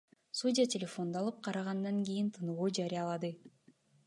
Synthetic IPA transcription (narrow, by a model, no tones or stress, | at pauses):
sudʲɪatʲɪlʲefo̞nd̪ɑlˠɯp̚qʰɑɾɑʁɑnd̪ɑŋɡʲijint̪ʰɯnuʁuːd͡ʒɑɾijɑlˠɑd̪ɯ